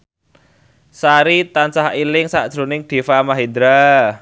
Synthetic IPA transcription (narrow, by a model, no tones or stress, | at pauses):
saɾit̪ansahilɪŋsaʔd̥ʒ̥ɾo̤nɪŋd̪̥e̤famaɦed̪ɾa